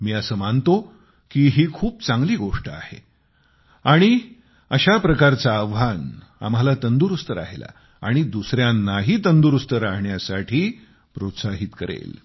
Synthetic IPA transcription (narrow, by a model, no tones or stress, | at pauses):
miːəsəːmaɳt̪o | kiːɦiːkʰuːp̚t͡saŋɡliːɡoʂʈəa̰he | aɽ̃i | əɕapɾəkaɾt͡saːʋan | a̰m̤alat̪ənd̪uɾust̪əɾa̰ɦela̰ | aɽ̃id̪usɾjanːaɦiːt̪ənd̪uɾust̪əɾaɦɳjasaʈʰiː | pɾot̪saɦiːt̪kəɾḛl